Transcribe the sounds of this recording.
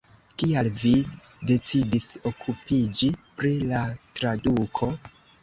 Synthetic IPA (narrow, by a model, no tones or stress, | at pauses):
kialvide̞t͡sidiso̞kʰupid͡ʒipɾilatɾadukʰo̞